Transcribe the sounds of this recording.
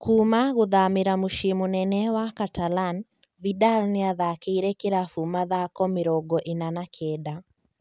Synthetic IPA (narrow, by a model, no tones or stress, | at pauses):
kʰumaɣuðamɪɾamuʃimunɛnɛwakatalan | vidalnɛaðakɛiɾɛkeɾafumaðakɔmɪɾɔɡɔʔinanakʰɛda